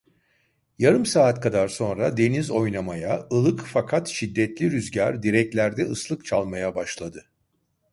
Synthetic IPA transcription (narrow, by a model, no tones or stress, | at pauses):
jaɾɯmsaːt̪kʰad̪aɾso̞nɾad̪e̞nizo̞jnamajaɯlˠɯkfakʰat̪ʃid̪ːɛt̪lʲiɾyzɟaɾd̪iɾɛc̚lʲæɾd̪ɛɯslˠɯkt͡ʃʰalˠmajabaʃlˠad̪ɯ